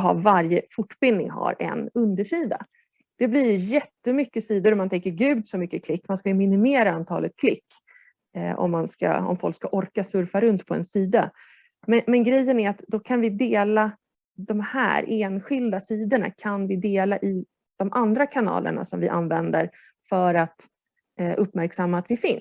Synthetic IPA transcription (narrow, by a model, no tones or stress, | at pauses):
ɦa̰vaɾjəfʊʈːbɪnːɪŋɦa̰ɾɛ̰nɵnd̪əʂiːd̪a̰ | d̪̥ɛblɪɾjɵjɛt̪ːəmʏkːəsiːd̪ʊɾɔmant̪ʰɛŋkːəɾɡʉ̟ːd̪sɔmʏkːəkʰlɪkːmanskajɵmɪnɪmeːɾaant̪ʰɑ̰ːlət̪̚kʰlɪkː | ɔ̰mːanska̰ɔ̰mfɔlkskaʔɔɾkasɵɾfaɾɵnt̪pʰɔɛ̰nsiːd̪a | mɛmɛnɡɾɛjːənæɾat̪d̪ɔkʰanvɪd̪eːla | d̪ɔmhæ̰ːɾʔeːnɧɪld̪asiːd̪əɳa̰kʰanvɪd̪eːlaʔɪ | d̪̥ɔmʔand̪ɾakʰanɑ̰ːlə̰ɳa̰sɔmvɪʔa̰nvɛnd̪əɾ | fœɾat̪ | ʔɵpːmæɾksamːaːt̪vɪfɪns